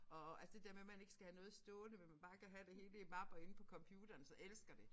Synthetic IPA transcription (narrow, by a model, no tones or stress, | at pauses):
ɒ̽ælsəd̥e̝d̥e̝ɐmemæne̝ɡ̥ə̥sɡ̥æhænɔ̽ːð̞̩ˠsd̥ɔːnəmenmænb̥ɑ̈ːkæɦæd̥e̝he̝ːləimɑ̈b̥ɐe̝n̩pʰɒ̽kʰɒ̽mpʰjuːd̥ɐːnsɒ̽ʔelsɡ̥ɐd̥e̝